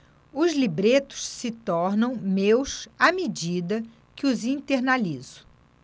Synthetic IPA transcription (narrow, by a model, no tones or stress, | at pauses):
ʊzlibɾet̪ʊ̥ʃsɪt̪ɔɾnɐ̃w̃mewsamed͡ʒid̪ɐ | kɪʊzĩt̪eɾnalizʊ̥